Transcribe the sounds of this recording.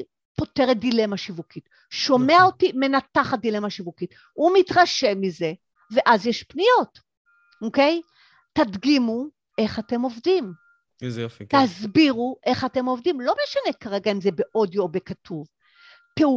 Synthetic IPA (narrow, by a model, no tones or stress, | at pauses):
po̞teʁet̚dile̞maʃivukit | ʃo̞mmeaotime̞nataχadile̞maʃivukit | umitʁaʃe̞mize̞ | ve̞ʔazjeʃpnijo̞t | oke̞j | tadɡimu | e̞χate̞mo̞vdim | zofitazbiʁuʔe̞χatemo̞vdimlo̞meʃane̞kaʁeɡaimzebe̞ʔo̞djoːbekatʰuv | teu